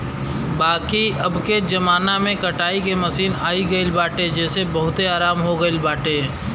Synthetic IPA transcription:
baːkiɐbked͡ʒɐmaːnamẽkɐʈaːikemɐsiːnaːiɡɐilbaːʈed͡ʒɛːsebɐɦʊt̪eaːɾaːmɦoɡɐilbaːʈẽː

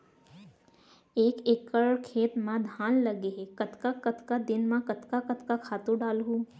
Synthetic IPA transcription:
eːkeːkəɭkʰeːt̪mãd̪ʱãːnləɡeɦekət̪kakət̪kad̪ɪnmãkət̪kakət̪kakʰaːt̪ũɖaːlɦũː

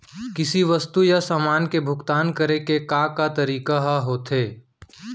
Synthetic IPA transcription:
kɪsiʋɐst̪ujasaːmaːnkebʱʊɡt̪aːnkəɾekekakat̪ɐɾiːkaɦaɦoːt̪ɦeː

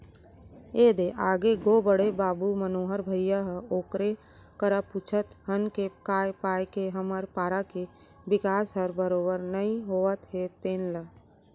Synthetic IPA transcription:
eːd̪eʔaːɡeɡoːbəɽebaːbumənoːɦəɾbʱəɪjaɦoːkɾe | kəɾapuːt͡ʃʰət̪ɦənkekaːjpaːjkeɦəməɾpaːɾake | bɪkaːsɦəɾbəɾoːbəɾnɐɦĩɦoːət̪ɦet̪eːnla

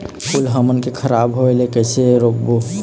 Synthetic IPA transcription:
kulɦəmənkekʰəɾabɦoelekɛɪseɾokbo

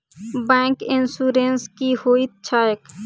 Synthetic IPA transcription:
bɛ̃ːŋkɪnsuːɾenskihoːit̪̚t͡ʃʰaːjək

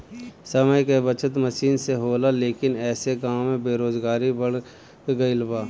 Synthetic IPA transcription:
sɐməjkebət͡ʃət̪məʃiːnseɦoːlaleːkɪnɛːseɡaːmːẽbeːɾoːzɡaːɾibɐɽ | ɡɐɪlbaː

